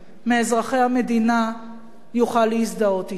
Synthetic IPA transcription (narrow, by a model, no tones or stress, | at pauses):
meːzʁaχejhame̞d̪ina | juχalːeisd̪aot̪i